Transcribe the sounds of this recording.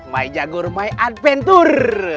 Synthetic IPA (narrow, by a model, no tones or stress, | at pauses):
ma̰id͡ʒaɡurmaiʔat̪̚fɛnt̪ur